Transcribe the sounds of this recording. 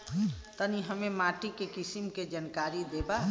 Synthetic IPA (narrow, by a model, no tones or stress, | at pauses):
t̪əniɦəmemaʈikekisimked͡ʒənkaɾid̪eba